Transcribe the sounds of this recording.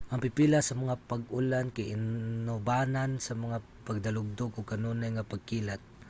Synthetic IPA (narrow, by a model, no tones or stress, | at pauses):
ʔɐŋpɪpilasɐmɐŋapɐɡʊlankaʔɪnnobaːnansɐmɐŋa | pɐɡ̚d̪ɐlʊɡ̚d̪oɡʊkɐnunajŋapɐɡ̚kiːlat̪̚